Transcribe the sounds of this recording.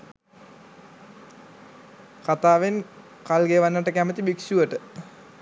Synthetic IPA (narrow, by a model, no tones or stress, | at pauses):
kat̪aːʋen | kalɡeːʋanːəʈəkæmət̪ibiksuʋəʈə